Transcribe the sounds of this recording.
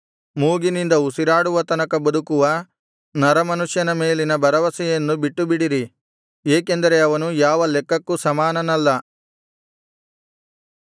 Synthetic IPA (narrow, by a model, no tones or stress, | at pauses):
muːɡinind̪ɐusiɾaːɽuʋɐt̪ɐnɐkɐbɐd̪ukuʋɐ | nɐɾɐmɐnuʂjɐnɐme̞ːlinɐbɐɾɐʋɐsɛjɐnːubiʈːubiɽiɾi | eːke̞nd̪ɐɾe̞ɐʋɐnujaːʋɐlɛkːɐkːusɐmaːnɐnɐlːɐ